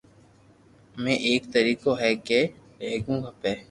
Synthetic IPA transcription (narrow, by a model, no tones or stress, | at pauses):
mɛ̃ːʔeːkt̪əɾiːkoɦɛːke | leːɡũːɡʱapeː